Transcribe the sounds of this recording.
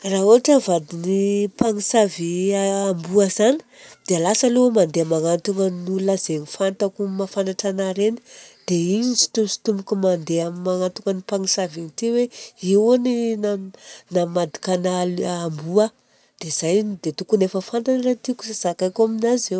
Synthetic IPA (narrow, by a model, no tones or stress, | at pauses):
rauaʈ͡ʂəvad̪inipaŋisaviːmbuəzani̥d̪̥ealasəlumand̪eamaŋant̪uŋənulaz̥enifant̪akumafanaʈ͡ʂanaɾeni̥d̪̥eiɲsi̥t̪umsi̥t̪umbukumand̪eamimaŋant̪uŋənipaŋisavint̪iweiwoninanammːad̪i̥kanalambuə | d̪̥ez̥ajnd̪et̪ukunefəfant̪anɾat̪iku̥sasakajkaminaze